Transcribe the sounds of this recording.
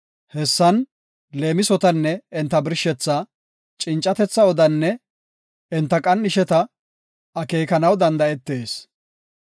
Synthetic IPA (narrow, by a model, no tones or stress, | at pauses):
hɛsːɐn | le̞ːmɪsɔt̪ɐnːɛɪnt̪ːɐbɪɾʃɛt͡sːa | t͡ʃʼɪnt͡ʃʼːɐt̪ɛt͡sːɐɔd̪ɐnːɛ | ɛnt̪ːɐkʼɐnːɪʃɛt̪ɐ | ɐke̞ːkɐnɐwd̪ɐnd̪ɐɛt̪ːe̞ːs